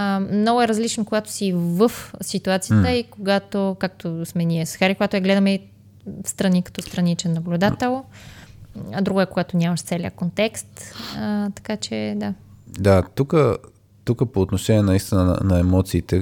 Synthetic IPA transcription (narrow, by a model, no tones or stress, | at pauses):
mnɔɡʊɛɾɐzlit͡ʃnokoɡat̪o̥sivəfsit̪uat̪sijət̪əikoɡat̪okak̚t̪ʰosmɛniɛsxaɾikoɡat̪ʊɐɡlɛd̪ɐmɛ | fst̪ɾɐnikɐ̥t̪ɔst̪ɾɐnit͡ʃɛnɐblʲud̪at̪ɛlˠ | ɐd̪ɾuɡɛkoɡat̪onʲaməʃt̪sɛliəkont̪ɛkst̪ət̪ɐ̥kat͡ʃɛd̪a | d̪at̪ukə | t̪ukəpoːt̪noʃɛniɛnɐist̪inən̰nɐɛmɔt̪siːt̪ɛ